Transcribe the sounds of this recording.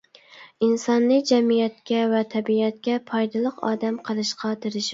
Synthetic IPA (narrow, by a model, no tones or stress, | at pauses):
insɑnlˠɨd͡ʒɛmijɛt̪̚kʲɛvɛt̪ʰɛbiɛt̪̚kʲɛpʰɑjd̪ɨlˠəqɑ̰ːd̪ɛmqʰəlˠɨʃqʰɑt̪ɪɾɪʃ